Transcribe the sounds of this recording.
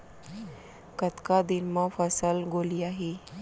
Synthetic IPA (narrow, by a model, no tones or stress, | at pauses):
kət̪kad̪inmafəsəlɡoliːaɦe